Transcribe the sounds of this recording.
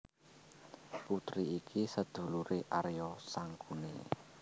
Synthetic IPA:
put̪ɾiikʰisəd̪̥ṳluɾeʔaɾjɔsaŋkune

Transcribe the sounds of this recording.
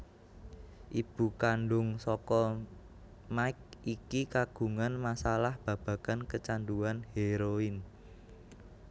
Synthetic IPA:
ʔib̥ṳkanɖʊŋsɔkɔ | maɪk̚ikikaɡ̥ṳŋanmasalahb̥ä̤b̥ä̤kankət͡ʃanduanheɾoɪn

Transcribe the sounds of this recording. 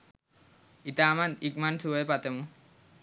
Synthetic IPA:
it̪amant̪ik̚mansuejpat̪emu

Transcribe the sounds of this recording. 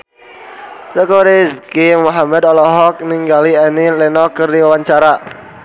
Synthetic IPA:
səkoɾiskimɔɦamɛd̪ɔlɔɦɔk̚niŋɡaliɛnilɛnɔkərdiwaɲt͡ʃaɾa

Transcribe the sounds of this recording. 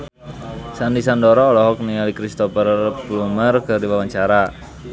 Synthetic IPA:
sandisandɔɾɔːlɔɦɔk̚niŋalikɾist̪ɔpərplumərkərdiwawaɲt͡ʃaɾa

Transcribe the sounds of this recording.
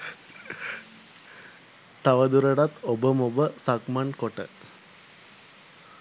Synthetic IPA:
t̪aʋəd̪uɾəɖat̪obəmobəsakmankoʈə̰

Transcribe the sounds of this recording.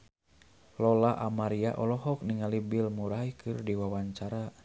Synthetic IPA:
lɔlaʔamaɾiaʔɔlɔɦɔk̚niŋalibilmuɾaikʰɨrdiwawaɲt͡ʃaɾa

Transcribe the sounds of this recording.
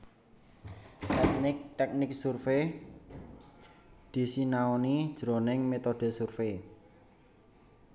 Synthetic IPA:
t̪ɛk̚nɪk̚t̪ɛk̚nɪk̚surfe | d̪̥i̤sinaonid̥ʒ̥ɾo̤nɪŋmet̪oɖ̪̥ɛ̤surfe

